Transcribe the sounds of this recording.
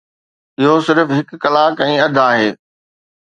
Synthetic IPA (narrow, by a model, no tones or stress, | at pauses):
ɪɦosɪɾfɦɪkːɐlaːkɛ̃ːɐd̪ʱaːɦeː